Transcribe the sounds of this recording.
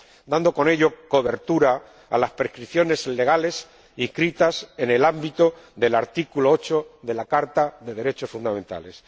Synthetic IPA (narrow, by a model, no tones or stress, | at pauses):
d̪and̪o̞ko̞ne̞ʎo̞ko̞βe̞ɾt̪uɾa̰ː | laspɾe̞skɾiθjo̞ne̞sle̞ɣale̞s | ihkɾit̪ase̞nelambit̪oðe̞laɾt̪ikuloot͡ʃo̞ðe̞lakaɾt̪aðe̞ðe̞ɾe̞t͡ʃo̞sfund̪amẽ̞nt̪a̰le̞s